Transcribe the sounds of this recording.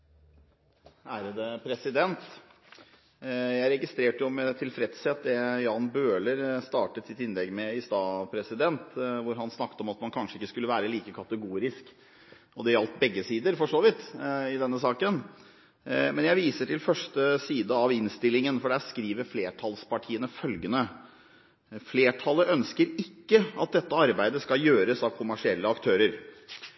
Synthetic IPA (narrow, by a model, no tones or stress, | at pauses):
æːɾəd̪əpʰɾɛsɪd̪ɛnt̪ | jæɪɾɛɡɪst̪ɾeːʈəjʊmɛt̪ʰɪlfɾɛt̪sɛt̪̚d̪ɛjɑːnbøːləɾst̪ɑːʈət̪sɪt̪ːɪnlɛɡːmɛɪst̪ɑːpʰɾɛsɪd̪ɛnt̪ʋʊɾɦɑnsnɑkːt̪əɔmɑt̪mɑnkʰɑnʂəɪkːəskʉlːəʋæːɾəliːkəkʰɑt̪əɡuːɾɪsk | ɔd̪ɛɾɑlt̪bɛɡːəsiːd̪əɾfɔʂoːʋɪt̪ɪd̪ɛnːəsɑːkən | mɛnjæɪʋiːsəʈʰɪlfœʂʈəsiːd̪əɑʋɪnst̪ɪlːɪŋənfɔɖɛæskɾiːʋəɾfleːʈʰɑlspʰɑʈʰiːənəfœlɡənə | fleːʈʰɑləʔœnskəɾɪkːəɑt̪̚d̪ɛt̪ːəɑɾbæɪd̪əskɑjøːɾəsɑʋkʰʊmæʂɪɛlːəɑkt̪ʰøːɾəɾ